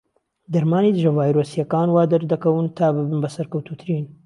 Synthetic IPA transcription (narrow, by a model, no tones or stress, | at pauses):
d̪ɐɾmaːnid̪ɨʒɐvaːjɾoːsijɐkaːnwaːd̪ɐɾd̪ɐkɐwɨnt̪ʰaːbɨbɨnbɐsɐɾkɐwt̪ut̪ʰɨɾiːn